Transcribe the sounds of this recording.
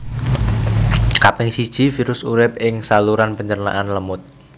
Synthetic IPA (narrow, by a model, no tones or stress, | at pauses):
kapɪŋsid̥ʒ̥ifiɾʊsuɾɪp̚ɪŋsaluɾanpəɲd͡ʒərna̰ʔanləmʊt̪̚